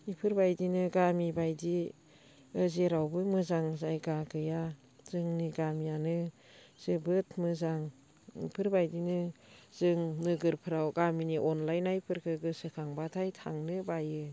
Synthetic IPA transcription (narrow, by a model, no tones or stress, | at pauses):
nipʰɯɾbajdinɯɡamibajdi | ɯzeɾawbɯmɯzaŋzajɡaɡɯja | zɯŋniɡamijanɯ | z̥ɯbɯtʰmɯzaŋ | ḭpʰɯɾbajdinɯz̥ɯŋnɯɡɯɾpʰɯɾawɡaminiʔɔnlajnajpʰɯɾkʰɯɡɯsɯkʰaŋbatʰajtʰa̰ŋnɯbajɯ